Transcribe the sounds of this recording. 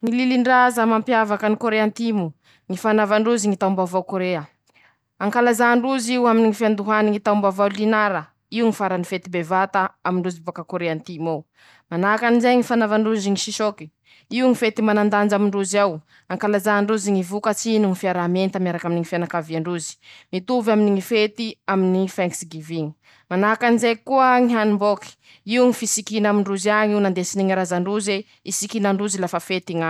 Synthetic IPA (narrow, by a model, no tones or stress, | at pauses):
ŋililiɳɖ͡ʐazəmampjavakənikoɾeant̪imu | ŋifanavaɳɖ͡ʐuziŋit̪aumbavawkoɾeə | aŋkalazaɳɖ͡ʐuziwaminiŋifiand̪uɦaniŋit̪aumbavawlinaɾə | iuŋifaɾanifet̪ibevat̪aamiɳɖ͡ʐuzibakakoɾeant̪imaw | manakanizajŋifanavaɳɖ͡ʐuziŋiʃiʃoki̥ | iuŋifet̪imanand̪and͡ʒamiɳɖ͡ʐuzaw | aŋkalazaːɳɖ͡ʐuziŋivukat͡sinuŋifiaɾament̪amiaɾakaminiŋifanakaviaɳɖ͡ʐuzi̥mit̪uvaminiŋifet̪iaminifɛŋksɡiviŋi̥ | manakanizekuəŋiɦanimboki̥ | iuŋifisikinamiɳɖ͡ʐuzaɲiwnand̪esiniŋiɾazaɳɖ͡ʐuze | isikinaɳɖ͡ʐuzilafafet̪iŋa